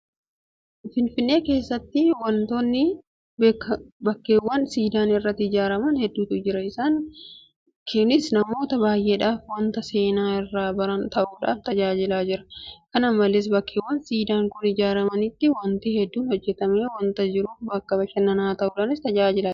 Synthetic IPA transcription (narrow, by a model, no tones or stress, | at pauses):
fɪnfɪnːe̞ːke̞ːsːɐt̪ːɪwɐnt̪o̞ːnːɪ | bkːbɐkːe̞ːwːɐnsiːd̪aːnɪrːɐt̪ːɪd͡ʒaːɾɐmɐnhɛd̪ːuːt̪ʊd͡ʒɪɾɐɪsaːŋ | kʰɛnɪsnɐmo̞ːt̪ɐbaːjʔe̞ːᶑaːfwɐnt̪ɐse̞ːnaːɪrːaːbɐɾɐnt̪ɐʔuːᶑa̰ːft̪ɐd͡ʒaːd͡ʒɪlaːd͡ʒɪɾɐ̥kɐnɐmːɐleːs̬bɐkːe̞ːwːɐnsiːd̪aːŋkʊnɪd͡ʒaːɾɐmɐnɪt̪ːɪwɐnt̪ɪhɛd̪ːuːnhɔd͡ʒːɛt̪ɐmeːwɐnt̪ɐd͡ʒɪɾufbɐkːɐbɐʃɐnːɐnaːt̪ɐʔuːᶑaːnɪst̪ɐd͡ʒaːd͡ʒɪla